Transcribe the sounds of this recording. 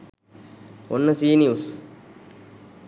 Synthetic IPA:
onːəsiːnius

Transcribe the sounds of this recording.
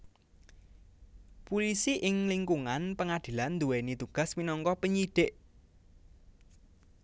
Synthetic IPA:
pulisiʔɪŋliŋkuŋanpəŋad̪̥i̤land̪uwenit̪uɡ̥a̤sminɔŋkɔpəɲiɖ̥ɪʔ

